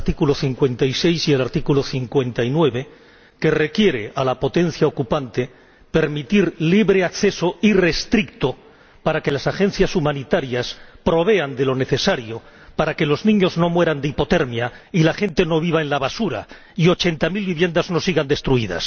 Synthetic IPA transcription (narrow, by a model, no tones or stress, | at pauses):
t̪ikulo̞θiŋkwe̞nt̪ajse̞jsie̞laɾt̪ikulo̞θiŋkwe̞nt̪ainwe̞βe̞ | ke̞re̞kje̞ɾe̞ʔalapo̞t̪e̞n̟θjao̞kupant̪e̞ | pe̞ɾmit̪iɾliβɾe̞akθe̞so̞ire̞st̪ɾik̚t̪o | paɾake̞lasaxe̞n̟θjasumãnit̪aɾjaspɾo̞β̞e̞and̪e̞lo̞ne̞θe̞saɾjo̞ | paɾake̞lo̞znĩɲo̞zno̞mwe̞ɾand̪eipo̞t̪e̞ɾmjailaxe̞nt̪e̞no̞β̞iβ̞aenlaβasuɾa̰ | io̞t͡ʃe̞nt̪amilβiβje̞nd̪azno̞siɣand̪e̞st̪ɾuiða̰s